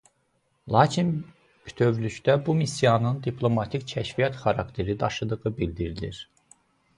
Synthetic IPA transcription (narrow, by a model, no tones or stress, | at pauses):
lˠɑːcʰin | pʰy̥t̪ʰø̞vlyʃd̪æbumisijɑnɯnd̪ipʰlˠo̞mɑt̪ʰiccʰæʃvijɑt̪χɑɾɑ̰kt̪ʰe̞ɾid̪ɑʃɯd̪ɯɣɯbild̪iɾilḭɾ